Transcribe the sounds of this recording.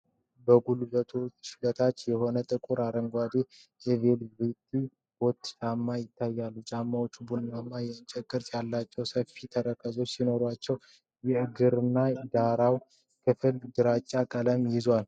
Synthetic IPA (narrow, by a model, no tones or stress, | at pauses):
bəɡulbət̪ʰuʃd̪ət̪ʰat͡ʃːjɛho̞nət̪ʼɨkʼuɾaɾəŋɡʷad̪ejevelbɨt̪ʼi | b̥o̞t̪ːt͡ʃʼamːajɪt̪ʰːajːalːut͡ʃʼamːawot͡ʃːubunnamːajɛɨnt͡ʃʼɛkʼːɨɾt̪jalːat͡ʃːɛwsəfit̪ʰəɾəkʰəzo̞t͡ʃːsino̞ɾwat͡ʃːɛw | jɛɨɡɨɾɨnːad̪aɾaw | kʰɨfɨld̪ɨɾat͡ʃʼːakʼələmjɪzwal